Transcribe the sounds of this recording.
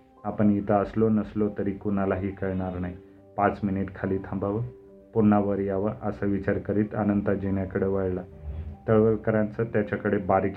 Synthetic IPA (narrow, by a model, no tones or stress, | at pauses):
apəɳit̪əəslonəslot̪əɾikunalaɦiːkəɾɳaɾnaɦi | pãt͡sminiʈkʰaliːt̪ʰəmbaʋə | pun̤ːaʋəɾjaʋəʔəsaʋit͡ɕaɾkəɾiːt̪anənt̪ad͡ʑeɳjakəɽeʋəɭlat̪əɭʋəlkəɾãnt͡sət̪jat͡ɕakəɽebaɾk